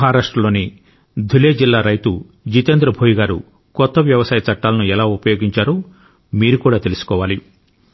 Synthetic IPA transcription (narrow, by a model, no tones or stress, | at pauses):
ɦaːɾaːʂʈɾɐloːni | d̪ʱuleːd͡ʒilːaːɾɐjt̪u | d͡ʒit̪eːnd̪ɾɐbʱoːjiɡaːɾṵ | kɔt̪ːɐʋjɐʋɐsaːjɐt͡ʃɐʈːaːlɐnuɛlaːupɐjoːɡiɲt͡ʃaːɾoː | miːɾukuːɽaːt̪e̞lusu̥kɔːʋaːli